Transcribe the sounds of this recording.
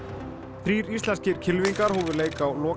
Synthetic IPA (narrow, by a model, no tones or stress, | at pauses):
θɾiːɾist̪lɛnscɪɾ̥cʰɪlviŋkaɾ̥hɔːvʏɾleːjkawlɔː